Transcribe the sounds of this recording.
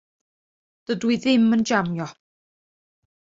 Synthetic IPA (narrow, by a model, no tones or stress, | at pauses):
d̥ədwiðɪmənd͡ʒamjɔ